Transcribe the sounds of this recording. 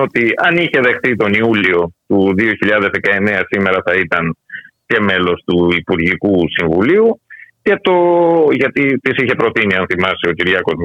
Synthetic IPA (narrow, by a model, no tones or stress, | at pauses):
ot̪iɐniçe̞ðe̞xθit̪o̞niulio̞t̪uðio̞çiʎɐðe̞zðe̞kɐe̞neɐsime̞ɾɐθɐit̪ɐnce̞me̞lo̞st̪uipuɾʝikusiɱvuliuce̞t̪o̞ʝɐt̪it̪isiçe̞pɾo̞t̪iniɐnθimɐsio̞ciɾʝɐko̞z